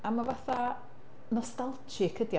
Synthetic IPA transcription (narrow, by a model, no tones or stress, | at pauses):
amavaθa | nɔstalˠt͡ʃʰɪkʰədj